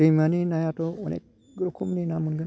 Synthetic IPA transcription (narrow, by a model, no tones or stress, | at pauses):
imaninajatoonḛk̚ | ɡɾokʰumninamunɡɯn